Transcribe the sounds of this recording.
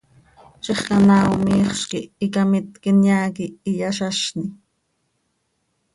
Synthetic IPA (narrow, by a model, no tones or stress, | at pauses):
t͡ʃeχkanaːwmiːχʃkɪikamɪt̪kɪnjaːkiijaʃaʃni